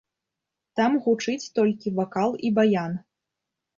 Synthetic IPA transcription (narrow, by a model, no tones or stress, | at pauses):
t̪amɣut͡ʂɨt͡sʲt̪ɔlʲkʲivakalˠibajan